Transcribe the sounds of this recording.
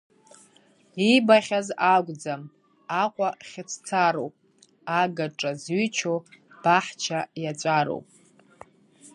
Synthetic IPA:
ibaχʲazaɡʷd͡zam | aqʷʼaχʲɪt͡sʰt͡sʰaɾowpʼ | aɡaʈ͡ʂʼazɥyt͡ʃʰo | b̥aħt͡ʃʰajat͡ʃʷʼaɾo̰wpʼ

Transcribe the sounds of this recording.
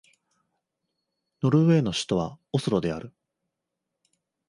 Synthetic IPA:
no̞ɾɯ̟βe̞ːno̞ɕi̥t̪o̞βaosɨɾo̞d̪e̞aɾɯ̟

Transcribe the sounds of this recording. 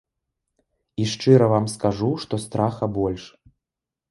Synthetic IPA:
iʂt͡ʂɨɾɐvamskaʐuʂt̪ɔst̪ɾaxɐbɔlʲʂ

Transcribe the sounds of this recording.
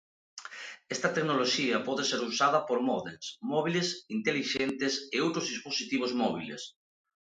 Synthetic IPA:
est̪ɐt̪eknoloʃiɐpɔðeseɾusað̞ɐpoɾmɔðelsmɔβ̞ilesint̪eliʃent̪eseowt̪ɾozðisposit̪iβ̞ozmɔβ̞ḭlḛs

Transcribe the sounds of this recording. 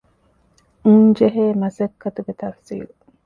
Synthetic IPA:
uŋd͡ʒeɦeːmɐsɐkʰːɐt̪uɡet̪ɐfsḭːlu

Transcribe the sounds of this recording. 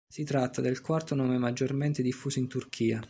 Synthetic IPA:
sit̪ɾat̪ːad̪elkwart̪onɔːmemad͡ʒːorment̪ed̪ifːuːsoint̪urkʰiːa

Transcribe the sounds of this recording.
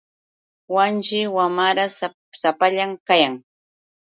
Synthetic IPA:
want͡ʃɪwamaɾas | sapaʎamkajaŋ

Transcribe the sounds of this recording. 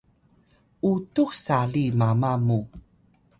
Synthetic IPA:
ʔutuxsalimamamu

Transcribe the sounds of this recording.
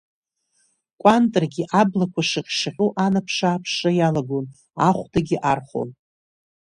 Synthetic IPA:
kʷʼantʼrɡʲɪʔablakʷʰaʂɨqʲʂħʲʷuʔanapʰʂaːpʰʂajalaɡon | aχʷdʰaɡʲɪʔarχo̰n

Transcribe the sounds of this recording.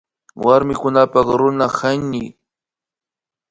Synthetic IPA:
waɾmɪkʊnapɑχɾʊnahaɲːɪ

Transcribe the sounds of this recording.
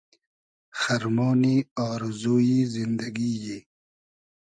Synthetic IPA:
xaɾmoːniɔːɾzoːjizind̪əɡiːji

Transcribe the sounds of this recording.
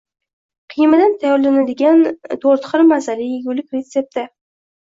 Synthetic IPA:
qʰɨjmad̪ant̪ʰajɒɾlanad̪ɪɡʲant̪ʰoɾt̪χɨɾmazalɪɡʲʊlɪkʲɾet̪se̞p̚t̪ʰɪ

